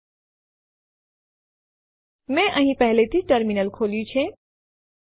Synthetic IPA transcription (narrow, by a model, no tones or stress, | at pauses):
mɛ̃ʔəɦĩpɛɦlet̪ʰiʈəɾminəlkʰoːljut͡ʃʰe